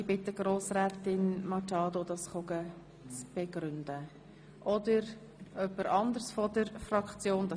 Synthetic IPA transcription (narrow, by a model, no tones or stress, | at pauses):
ibɪtːəɡ̥ɾoːsrɛːtɪnmɑtɑːdod̪ɑsχoɡə | t͡sb̥ɛɡɾʏndə | ʔɔd̪əɾ | œpːəɾʔɑnd̪əɾsfɔdəɾfrɑkt͡sjoːndɑ